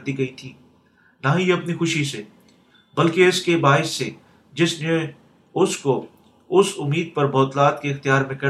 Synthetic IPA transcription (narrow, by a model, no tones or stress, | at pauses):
d̪iɡɐit̪ʰiː | naɦiɐpnixʊʃise | bɐlkeɪskebaːɪsːe | d͡ʒɪsne | ʊsko | ʊsʊmːiːd̪̚pɐɾbʱɔːt̪laːt̪keɪxt̪ijaːɾmẽkɐ